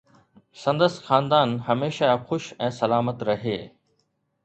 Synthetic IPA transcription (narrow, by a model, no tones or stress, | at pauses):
sɐ̃nd̪əsxaːnd̪aːnɦɐmeːʃaxʊʃɛ̃ːsɐlaːmət̪ɾɐɦeː